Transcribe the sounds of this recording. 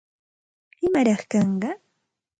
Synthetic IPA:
ɪmaɾɑχkɑɴɢɑ

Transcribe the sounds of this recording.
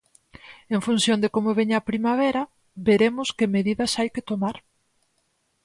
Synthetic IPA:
eɱfun̟θjond̪ɪkomoβ̞eɲapɾimaβɛɾɐ | beɾemʊskemeðiðɐsajkɪt̪omaɾ

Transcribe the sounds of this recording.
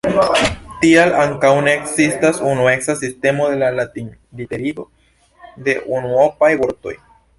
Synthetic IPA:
tialaŋkawne̞ːksistasunue̞ksasiste̞mo̞d̪e̞lalatin | liteɾio̞ | d̪e̞ʔunuopajboɾt̪o̞̰j

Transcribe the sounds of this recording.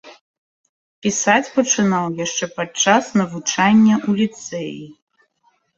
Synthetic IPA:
pʲisat͡sʲpɐʈ͡ʂʰɨnawjaʂt͡ʂɛpɐd̚t͡ʂasnɐvut͡ʂʰanʲːɛʔulʲit̪sʰejḭ

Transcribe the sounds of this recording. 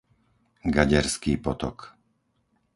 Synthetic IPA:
ɡaɟɛɾskiːpɔt̪ɔ̰k

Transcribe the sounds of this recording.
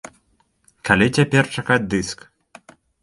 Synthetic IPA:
kʰalʲit͡sʲapʲɛrt͡ʂakad͡zʲd̪ɨsk

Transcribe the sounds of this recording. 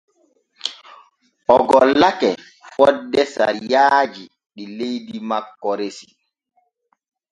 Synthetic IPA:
ɔɡɔlːakɛ | fɔdːɛsa̰ɾijaːd͡ʒi | ɗilejdimakːɔɾesi

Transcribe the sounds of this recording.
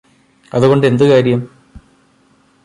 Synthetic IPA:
ɐðuɣo̞ɳɖe̞nd̪ɨkaːɾjɐm

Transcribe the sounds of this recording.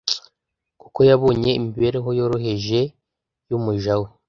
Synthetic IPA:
kuko̞jaβo̞ːɲe̞imiiβe̞ɾeɦo̞jo̞ːɾo̞ɦe̞ʒe̞ | jumuʒawo

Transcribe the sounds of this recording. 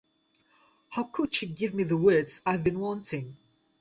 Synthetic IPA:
haʊkʰʊdʃɨɡɪvmiðəwɜ˞dz̥aɪvbɨ̃nwɔ̃ntʰɪ̃ŋ

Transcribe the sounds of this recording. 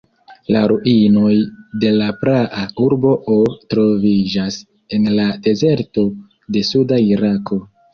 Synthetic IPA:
la̰ɾuʔino̞jde̞lapɾaʔauɾbo̞ʔotɾo̞vid͡ʒas | e̞nlade̞ze̞ɾto̞ | de̞sudaiɾakʰo̞

